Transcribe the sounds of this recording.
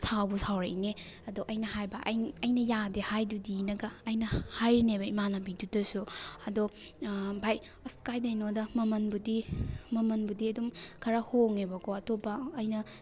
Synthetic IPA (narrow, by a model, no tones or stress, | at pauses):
sʰawbusʰawɾene | ɐdoʔɐjnɐhajbɐʔɐjnɐjadehajdudinɐɡɐːjnɐhajɾinebɐimanabidudɐsuɐdo | bʱaj | ɐskajdajnodɐmɐmɐnbudimɐmɐnbudiɐdumkʰɐɾahoŋebɐkʰoɐtopɐːjnɐ